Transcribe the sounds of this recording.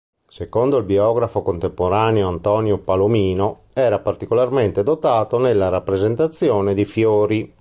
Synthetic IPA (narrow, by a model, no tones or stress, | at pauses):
sekond̪oilbiɔːɡɾafokont̪empoɾaːneoant̪ɔːnjopalomiːno | ɛːɾapart̪ikolarment̪ed̪ot̪aːt̪onelːaɾapːɾezent̪at̪sːjɔːned̪ifjoːɾi